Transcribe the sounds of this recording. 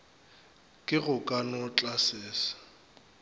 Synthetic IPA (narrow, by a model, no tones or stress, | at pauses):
kʼɪɣʊkʼanɔt͡ɬʼasɪːsḁ